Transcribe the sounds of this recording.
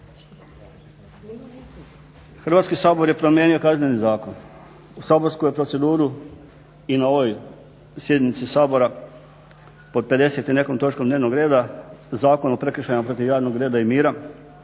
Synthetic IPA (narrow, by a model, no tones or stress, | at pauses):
xr̩ʋaːt̪skisaːbo̞ɾje̞pɾo̞mje̞ːnio̞kaznenizaːko̞n | usaːbo̞ɾskujepɾo̞t̪se̞d̪uːɾu | inao̞ʋoj | sje̞d̪nit̪sisaːbo̞ɾa | po̞d̪̚pe̞d̪e̞set̪ine̞komt̪o̞t͡ʃkomd̪neʋnoɡɾeːd̪azaːko̞nopɾe̞kr̩ʃajimapɾo̞t̪iʋjaːʋnoɡɾe̞ːd̪aimiːɾa